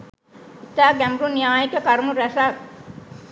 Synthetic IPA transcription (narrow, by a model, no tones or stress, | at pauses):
it̪aːɡæmbɾunijaːjikəkaɾmuɾæsak̚